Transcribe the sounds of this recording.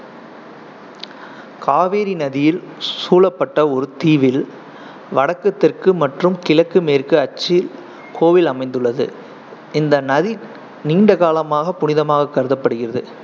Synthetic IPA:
kʰaːʋeːɾinɐðɪjɪl | suːlɐpːɐʈːɐɔɾɯt̪iːʋɪl | ʋɐɽɐkːɐt̪ːɪrkɯmɐʈrɯmkɪlɐkːɯmeːrkɯɐt͡ʃːɪɪl | kʰoːʋɪlɐmɐɪnd̪ɯɭːɐðɯ̰ | ɪnd̪ɐnɐði | niːɳɖɐɣaːlɐmaːɣɐpʊnɪðɐmaːɣɐkːɐɾɯðɐpːɐɽɯɣɪrɐðɯ̰

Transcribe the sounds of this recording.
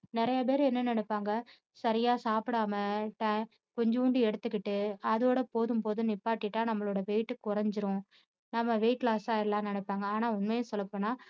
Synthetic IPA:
nɪɾɐjɐp̬eːɾɯ̃ɛnːɐnɐnɯpːaːŋɡɐ | sɐɾɪjaːsaːpɪɽaːmɐʈɐ | kɔɲd͡ʒuːɳɖɯɛɽɯt̪ːɯkːɪʈːɯɐðoːɽɐpoːðɯmpoːðɯnɪpːaːʈːɪʈːaːnɐmːɐɭoːɽɐʋɛɪʈːɯkːʊɾɐɲd͡ʒɯɾʊ̃ | nɐmːɐʋeɪʈlaːsaːɪlːãːnɐɳɯpːaːŋɡɐaːnaːʊnmejʊ̃sɔlːɐpːoːnaː

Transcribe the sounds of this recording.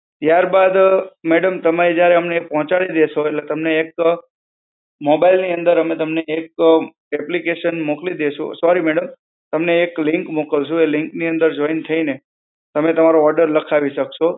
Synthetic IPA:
t̪jaɾbad̪meɽəmt̪əmaɾid͡ʒjaɾeəmnepɔɦɔ̃t͡ʃaɭid̪eʃoeʈlet̪əmneːk | mobailniə̃nd̪əɾɦəmet̪əmneek̚ | ɛplikeʃənmoklid̪eʃʰṵ̃sɔɾimeɽəm | t̪əmneːklɪŋkmokəɭt͡ʃʰũelɪŋkniə̃nd̪əɾd͡ʒɔint̪ʰəine | t̪əmet̪əmaɾoɔɾɖəɾləkʰaʋiʃəkʃo

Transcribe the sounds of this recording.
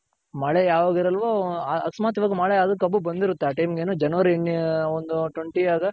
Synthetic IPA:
mɐɭejaːʋaːɡiɾɐlʋoɐ̰ksmaːt̪iʋaːɡɐmɐɭeɐd̪ɐkːɐbːubɐnd̪iɾut̪ːeaːʈɐjmɡeːnuːd͡ʒɐnɐʋɐɾienːond̪uʈweɳʈiaːɡɐ

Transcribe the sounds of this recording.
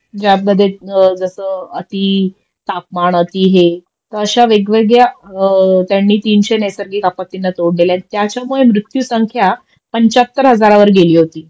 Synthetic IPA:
d͡ʑat̪məd̪ʱːjed͡zəsəət̪i | t̪ap̚maɳət̪iːɦe | t̪əəɕaʋeɡʋeɡja | t̪jaɳːiːt̪iːnɕenəsəɾɡiːkapat̪ːinːat̪oɽleljãnt̪jat͡ɕjamuɭemɾut̪juːsəŋkʰja | pəɲt͡ɕat̪ːəɾɦəd͡zaɾaʋəɾɡeliːɦot̪iː

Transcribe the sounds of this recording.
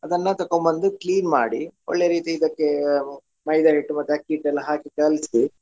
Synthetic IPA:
ɐd̪ɐnːɐt̪ɐkːombɐnd̪ukliːnmaːɽiɔ̰ɭːeɾiːt̪iːd̪ɐkːe | mɐjd̪ɐɦiʈːumɐt̪ːakiːʈːɐlːɦaːkikɐlsi

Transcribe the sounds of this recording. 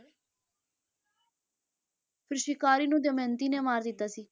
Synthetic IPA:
pʰɪɾʃɪkaːɾiːnũːd̪əmẽːnt̪iːneːmaːɾd̪ɪt̪ːaːsiː

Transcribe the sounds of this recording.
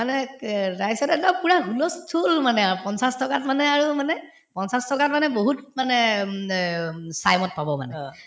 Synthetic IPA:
manɛɹajsɔtɛtapuɹaɡʱulɔstʰulmanɛapɔnsastɔkatmanɛaɹumanɛ | pɔnsastɔkat̚manɛboɦutmanɛ | sajmɔt̚pabɔma̰nɛ̰

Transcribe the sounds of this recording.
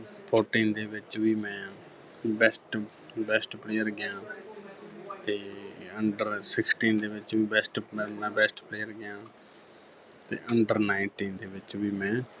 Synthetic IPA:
pʰoːɾʈiːnd̪eːʋɪt͡ʃʋiːmɛ̃ː | bɛsʈ | bɛsʈpleːəɾɡɪjãː | t̪eːəɳɖəɾsɪksʈiːnd̪eːʋɪt͡ʃʋiːbɛsʈmɛ̃ːbɛːsʈpleːəɾɡɪjãː | t̪ḛːʔəɳɖəɾnaːɪnʈiːnd̪eːʋɪt͡ʃʋiːmɛ̃ː

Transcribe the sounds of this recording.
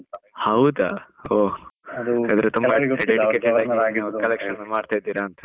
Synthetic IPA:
hɐwd̪ɐoː | ɐd̪ɐɾet̪umbɐɖeikesid̪aːd̪aːɡinaʋkɐlekʂɐnːɐmaːɖt̪ajd̪iːɾaːnt̪ɐ̥

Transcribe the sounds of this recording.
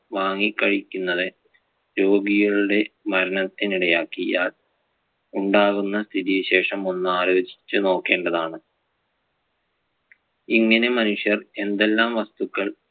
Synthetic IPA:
ʋaːŋːikːɐɻikʲːunːɐðɨ | ɾo̞ːɡijiɭuɽe̞mɐɾɐnɐt̪ːiniɽɐjaːkːijaːl | uɳɖaːɣunːɐst̪ʰiðijɐɕe̞ːʂɐmo̞nːuaːɾo̞ːd͡ʑi̥t͡ɕːuno̞ːkːe̞ːɳɖɐðaːɳɨ | iŋːɐnemɐnuʂjɐre̞nd̪e̞lːaːmʋɐst̪ukːɐɭ

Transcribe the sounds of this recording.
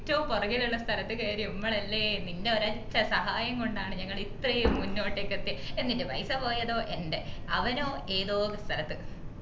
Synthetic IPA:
tːɐʋumporɐɣiluɭːɐst̪ʰɐlɐt̪ːɨkeːɾiumːɐɭɐlːenindeoɾɐt͡ɕːɐsɐɦaːjɐŋɡoɳɖaːɳɨɲɐŋːɐɭit̪rɐjumːunːo̞ːʈːeːkːet̪ːienːindupɐjsɐpo̞ːjɐðo̞ːʔe̞nde̞ɐʋɐno̞ːeːðoːkɨst̪ʰɐlɐt̪ːɨ

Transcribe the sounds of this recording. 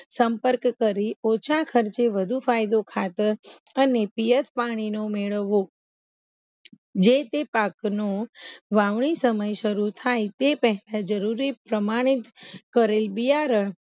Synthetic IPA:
səmpəɾkkəɾiot͡ʃʰakʰəɾt͡ʃeʋəd̪ʱufajd̪okʰat̪əɾənepijət̪paɽ̃inomeɭəʋːo | d͡ʒet̪epaknoʋaʋɳ̃isəməjʃəɾut̪ʰajt̪epəɦɛlãd͡ʒəɾuɾipɾəmaɽ̃it̪kəɾelbijaɾəɳ

